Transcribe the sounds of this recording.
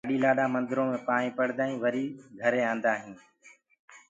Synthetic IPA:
ɗiːlaːɗaːmə̃nd̪ɪɾõːmẽːpaːɳĩːpəɽd̪aːĩːʋəɾiːɡʱəɾeːãːnd̪aːɦĩː

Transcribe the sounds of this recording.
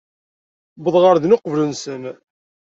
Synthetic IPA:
bəðˤʁəɾðnʊqvlunsəm

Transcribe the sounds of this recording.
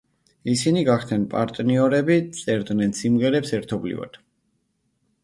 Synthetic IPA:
isiniɡaχt̪ʰnɛnpʼaɾt̪ʼniɔɾɛbit̪sʼɛɾd̪nɛnsimʁɛɾɛpsɛɾt̪ʰɔblḭva̰d̪̥

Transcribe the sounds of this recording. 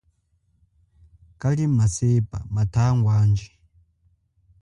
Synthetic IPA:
kalimasepʼa̰matʰaŋɡwaːnd͡ʒi

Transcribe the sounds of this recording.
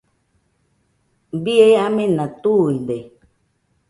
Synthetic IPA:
bieamẽnãt̪uide

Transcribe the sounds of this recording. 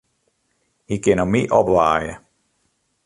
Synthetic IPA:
hikɪnɔmiʔɔpʋaːjə̰

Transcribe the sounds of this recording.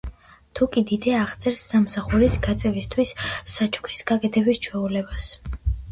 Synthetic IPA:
t̪ʰukʼid̪id̪ɛaʁt̪sʼɛɾsːamsaχuɾisɡat̪sʼɛvist̪ʰwisːat͡ʃʰʼu̥kʰɾisɡakʼɛt̪ʰɛbist͡ʃʰwɛulɛbas

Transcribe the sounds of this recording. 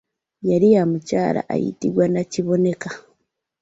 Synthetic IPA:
jaɾijamucaːɾa̰ʔa̰jḭtiɡwanaciβo̞ne̞ka

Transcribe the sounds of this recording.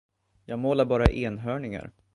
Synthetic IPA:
jɑːɡmoːlaɾbɑːɾa̰ʔeːnɦœːɳɪŋa̰ɾ

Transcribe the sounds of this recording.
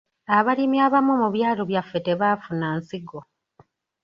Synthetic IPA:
aβalimiaːβamumuβjaːloβjafːete̞βaːfunaːnsiɡo

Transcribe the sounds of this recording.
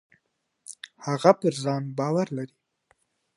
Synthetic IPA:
haɣapəɾzɑnbɑwaɾlaɾi

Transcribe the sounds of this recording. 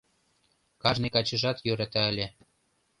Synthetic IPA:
kɑʒnekɑt͡ɕə̆ʒɑt̪jøɾɑt̪ɑə̆lʲĕ

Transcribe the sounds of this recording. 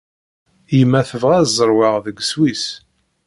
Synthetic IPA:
jəmːæθəvʁæzˤəɾˤwaʁðəɡswis

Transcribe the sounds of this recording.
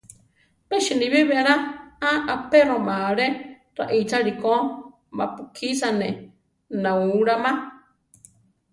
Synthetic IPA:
peʃiniβiβeɾaaʔapeɾõmaɾe | ɾa̰ʔit͡saɾiko | mapukʰisane | nãuɾamã

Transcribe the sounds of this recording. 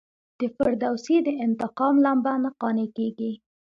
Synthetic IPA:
d̪̥əfaɾd̪awsid̪əɪnt̪ɪqɑmlambanaqɑnekeɡi

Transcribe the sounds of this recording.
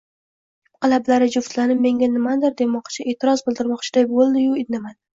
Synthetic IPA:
qʰɑlablaɾɪd͡ʒʊft̪lanɪmːe̞ŋɡʲanɪmad̪ɪɾd̪e̞mɒqt͡ʃʰɪʔe̞ːt̪ʰɪɾɒzbɪlˠd̪ɪɾmɒqt͡ʃʰɪd̪ajbolˠd̪ɪjʊɪd̪namad̪ɪ

